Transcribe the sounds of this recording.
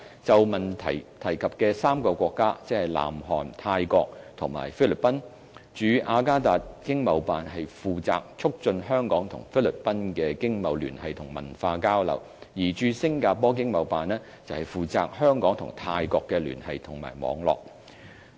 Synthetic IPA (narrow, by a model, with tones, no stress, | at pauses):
t͡sɐ˨wmɐ˨˩nt̪ʰɐ̰˨˩jt̪ʰɐ˨˩jkʰɐ˨p̚kɛː˧saː˥mkɔː˧kʷɔː˧kːaː˥t͡sɛ˥hɐ˨˩jla̰ː˨˩mɦɔ̰ː˨nt̪ʰaː˧jkɔː˧k̚t̪ʰʊ˨˩ŋma̰ː˨˩jfiː˥lɪ˨˩pːɐ˥n | t͡ʃyː˨˥ʔaː˧kaː˥t̪aː˨t̚kɪ˥ŋmɐ˨˧wpaː˨nɦɐ˨jfuː˨t͡sa̰ː˨k̚t͡sʰʊ˥k̚t͡ʃɵ˧nɦœː˥ŋkɔː˨˥ŋt̪ʰʊ̰˨˩ŋfi˥lɪ˨˩pːɐ˥nkɛː˧kɪ˥ŋmɐ˨˧wly̰ː˨˩nhɐ˨jt̪ʰʊ˨˩ŋmɐ̰˨˩nfaː˧kaː˥wlɐ̰˨˩w | jiː˨˩t͡ʃyː˧sɪ˥ŋkaː˧pɔː˥k̬ɪ˥ŋmɐ˨˧wpaː˨nːɛː˥ | t͡sɐ˨whɐ˨jfuː˨˩t͡sa̰ː˨k̚hœː˥ŋkɔː˨˥ŋt̪ʰʊ̰˨˩ŋt̪ʰaː˧jkɔː˧kːɛː˧ly̰ː˨˩nhɐ˨jt̪ʰʊ˨˩ŋma̰ː˨˩jmɔ̰ː˨˧ŋlɔ̰ː˨k̚